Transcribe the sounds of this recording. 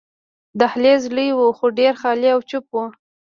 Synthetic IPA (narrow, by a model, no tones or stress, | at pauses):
d̪ahlezləjwuxoɖeɾxɑliawt͡ʃʊpwu